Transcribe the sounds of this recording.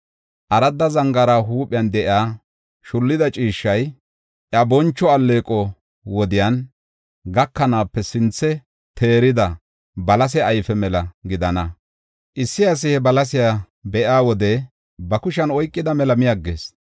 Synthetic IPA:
ʔɐɾɐd̪ːɐzɐŋɡɐɾaːɦuːpʼɪjand̪ɛʔɪaː | ʃʊlːɪd̪ɐt͡ʃʼiːʃːɐj | ʔɐbɔnt͡ʃːɔɐlːe̞ːkʼɔ | wɔd̪ɪjan | ɡɐkːɐnaːpːɛsɪnt͡sːɛ | t̪ʰe̞ːɾɪd̪ɐ | bɐlɐs̬ɛɐjfɛmɛlɐɡɪd̪ɐnɐ | ʔɪsːɪɐs̬ɪhɛbɐlɐs̬ɪja | bɛʔaːwɔd̪ɛ | bɐkʊʃɐnɔjkʼːɪd̪ɐmɛlɐmɪjɐɡːḛːs

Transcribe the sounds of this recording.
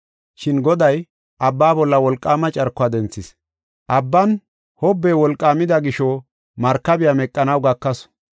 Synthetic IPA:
ʃɪnɡɔd̪ɐj | ʔɐbːaːbɔlːɐwɔlkʼːaːmɐt͡ʃʼɐɾkːʊaːd̪ɛnt͡sːɪs | ʔɐbːɐn | hɔbːeːwɔlkʼːaːmɪd̪ɐɡɪʃɔ | mɐɾkːɐbɪjamɛkʼːɐnɐwɡɐkːɐs

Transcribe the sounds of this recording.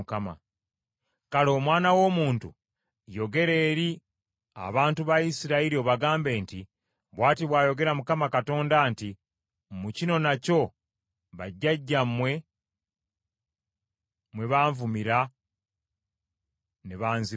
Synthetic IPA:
kama̰ | kalo̞ːmwaːnawo̞ːmuːntu | jo̞ɡe̞ɾe̞ːɾi | a̰βaːntuβaisiɾaiɾio̞βaɡaːmbe̞ːnti | βwaːtiβwaːjo̞ɡe̞ɾamukamakato̞ːndanti | mucino̞naco̞ | βaɟːaɟːamːwe̞ | mwe̞βaːɱvumiɾa | neβaːnzi

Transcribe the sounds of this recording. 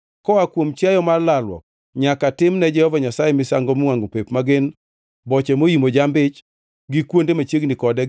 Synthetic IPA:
kɔakwomt͡ʃjajɔmalalwɔ̰k̚ | ɲakatɪmnɛd͡ʒɛhɔvaɲasajɛmɪsaŋɡɔmwaŋɡopepmaɡɪn | bɔt͡ʃɛmoimod͡ʒambɪt͡ʃ | ɡɪkwondemat͡ʃeɡnɪkɔdɛ

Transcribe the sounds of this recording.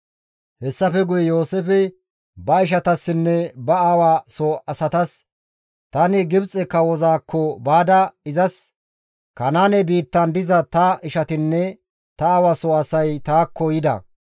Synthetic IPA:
hɛsːɐfɛɡʊjɛjoːsɛfɛ | bɐɪʃ̬ɐt̪ɐsːɪnːɛbɐaːwaːsɔɐsɐt̪ɐs | t̪ɐnɪɡɪbt͡sʼɛkːɐwɔzaːkːɔbaːd̪ɐɪzɐs | kɐnaːnɛbiːt̪ːɐnd̪ɪzɐt̪ɐɪʃɐt̪ɪnːɛ | t̪ɐaːwasɔɐsɐjt̪aːkːɔjɪd̪ɐ̰

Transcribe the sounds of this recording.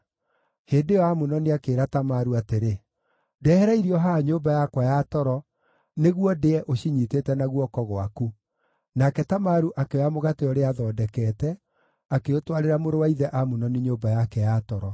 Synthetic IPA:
heːndeɔamunɔniakeːɾatamaɾuateɾe | dɛhɛɾaiɾiɔɦaɲoːmbajakwajatɔɾɔ | neɣwɔdeɛʔoɕiɲiteːtɛnaɣwɔkɔɣwa̰ku | nakɛtamaɾuʔakeamoɣateɔɾeaðɔːdɛkɛtɛ | akeotwaɾeɾamoɾowaiðɛʔamunɔniɲoːbajakɛjatɔɾɔ

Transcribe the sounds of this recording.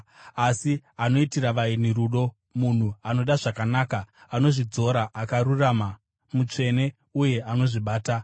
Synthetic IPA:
asiano̞itiraʋainiɾuɗo̞ | mun̤uano̞ɗaʐakanaːkaano̞ʐid͡zo̞ɾaʔakaɾurama | mut͡ʂe̞ne̞ | uje̞ano̞ʐiɓaːta

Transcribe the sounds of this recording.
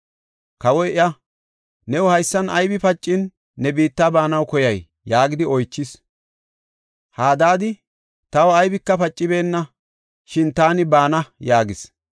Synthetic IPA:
kɐwɔjʔɪjɐ | nɛwɔhɐjsːɐnɐjbɪpɐt͡ʃʼːɪnː | ɛbiːt̪ːaːbaːnɐwkɔjɐjː | aːɡɪd̪ɪɔjt͡ʃːɪs | haːd̪aːd̪ɪ | t̪ɐwɐɐjbɪkːɐpɐt͡ʃʼːɪbe̞ːnːɐ | ʃɪnt̪aːnɪbaːnɐjaːɡɪs

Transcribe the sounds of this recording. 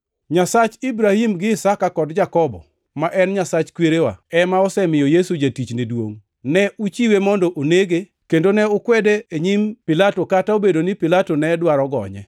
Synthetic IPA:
ɲasat͡ʃibɾahimɡɪːsakakɔdd͡ʒakɔbɔ̰ | maʔɛnɲasat͡ʃkweɾewa̰ɛmaɔsɛmɪjɔjesud͡ʒatit͡ʃnidwo̰ŋ | nɛʔut͡ʃiwemɔndɔʔoneɡe | kendonɛʊkwɛdeeɲimpɪlatokataobedonɪpɪlatonɛdwaɾɔɡɔ̰ɲɛ̰

